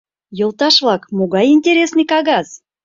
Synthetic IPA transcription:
jŏlˠt̪ɑʃvlˠɑkmoɡɑjinʲtʲeɾʲesnɨjkɑɣɑz

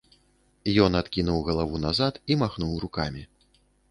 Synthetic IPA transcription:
jɔnat̪kʲinuwɣɐlˠavunazat̪imaxnuwɾukamʲi

